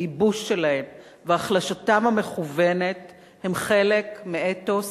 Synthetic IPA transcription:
ibuʃːelahe̞m | veaːχlaʃatamhame̞χuve̞ne̞t | hemχe̞le̞kmeetos

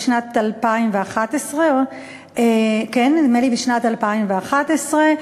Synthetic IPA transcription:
ʃnatalpaimveaχat̪esʁe | ekenmelibeʃnatalpaimveaχat̪esʁe

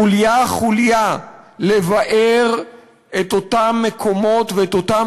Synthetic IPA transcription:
uljaχuljalevaʔeʁ | et̪otamːekʰo̞mo̞tveetota

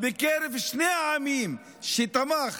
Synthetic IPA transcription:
bekeɾevʃneaːmim | ʃet̪amaχ

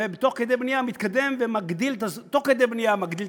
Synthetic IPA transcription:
ebet̪o̞χked̪ejbnijamit̪kad̪e̞mvemaɡd̪ilt̪at̪o̞χked̪ejbnijamaɡd̪il

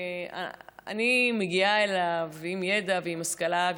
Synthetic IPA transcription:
a̰a̰nimeɡiaelavimjed̪aveimaskalav

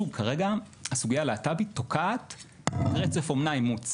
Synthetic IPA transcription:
ukʰaʁeɡa | asuɡijaleatabito̞kʰaːt̪ | ʁet͡se̞fo̞mnaimut͡s

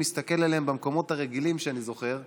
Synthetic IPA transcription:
ist̪ake̞lalembamko̞mo̞t̪haʁeɡilimʃeanizo̞χe̞ʁ

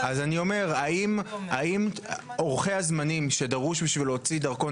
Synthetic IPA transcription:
azanio̞me̞ʁaimaimoʁχe̞hazmanimʃe̞daʁuʃbiʃvilot͡sidɐʁko̞

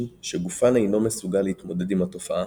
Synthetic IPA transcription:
ʃeɡufanejno̞mesuɡalːeit̪mo̞de̞dimato̞faʔa

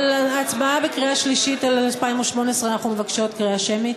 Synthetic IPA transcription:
lat͡sbaabekʁiaʃliʃitalalpaimoʃmo̞neesʁeanaχnume̞vakʃotkʁiaʃemi

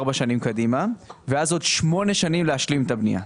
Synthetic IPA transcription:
ʁbaʃanimkadimaveazo̞dʃmo̞ne̞ʃanimleaʃlimet̪abnḭja̰

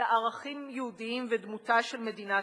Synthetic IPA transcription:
ʔaʁaχimjɛhudiimvedmutaʃelme̞dina

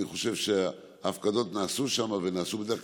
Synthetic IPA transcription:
iχo̞ʃe̞vʃe | afkad̪o̞t̪naːsuʃamave̞naːsubed̪e

